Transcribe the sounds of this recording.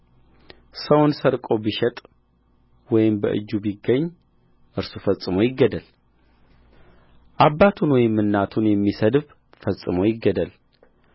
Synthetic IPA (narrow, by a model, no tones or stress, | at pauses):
səwnsəɾkʼo̞biʃɛt̪ʼ | wɔjɪmbə̰ʔɨ̰d͡ʒːubiɡəɲː | ʔɨɾsufəsʼɨmo̞jɪɡːəd̪əl | ʔabːat̪ʰunwɔjmːɨnːat̪ʰunjɛmːisəd̪β | fəsʼɨmojɪɡːəd̪əl